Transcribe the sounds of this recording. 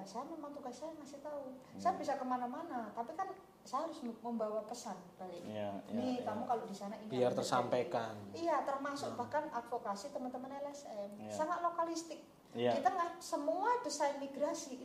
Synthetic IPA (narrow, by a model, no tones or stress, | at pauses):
sajamemaŋt̪uɡasːajaŋasɪht̪ausajabisakəmanamanat̪apikan | sajaɦaɾʊsməmbawapəsanb̥alɪknit̪amukalodisanainbiart̪ərsampakanijat̪ərmasʊk̚bahkanad̪fokasit̪əmant̪əmanɛlɛsɛmsaŋat̪̚lokalist̪ɪk̚ | kit̪aŋɡaʔsəmuad̥əsajnmiɡɾasi